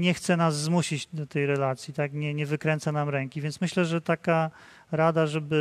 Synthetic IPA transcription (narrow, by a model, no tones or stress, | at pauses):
ɲɛxt̪sɛnazːmuɕid͡ʑd̪ɔt̪ɛjɾɛlat̪sʲjit̪akɲɛɲɛvɘkɾɛnt̪sanamɾɛŋkʲivʲjɛntsmɘɕlɛʐɛt̪aka | ɾad̪aʐɛbɘ